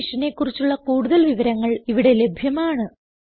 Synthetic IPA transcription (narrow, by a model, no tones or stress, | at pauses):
ʂɐne̞kːurit͡ɕːuɭːɐkuːɽuðɐlʋiʋɐɾɐŋːɐɭiʋiɽe̞le̞bʱjɐmaːɳɨ